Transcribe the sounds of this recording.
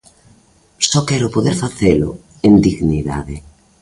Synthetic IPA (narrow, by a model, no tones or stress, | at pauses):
sɔkɛɾʊpoðeɾfaθelʊ̰ | end̪iɣniða̰ðe